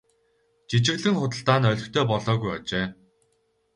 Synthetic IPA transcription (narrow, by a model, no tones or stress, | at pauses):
t͡ɕit͡ɕɪ̆ɣɮɘ̆ŋχʊt̪ə̆ɬt̪aːnœɮʲɵ̆kt̪ʰœːpɔɮɔːɣujɔt͡ɕeː